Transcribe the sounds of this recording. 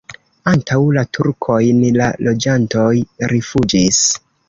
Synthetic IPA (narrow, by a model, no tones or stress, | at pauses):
antʰawlatʰuɾkʰo̞jnlalo̞d͡ʒanto̞jɾifud͡ʒis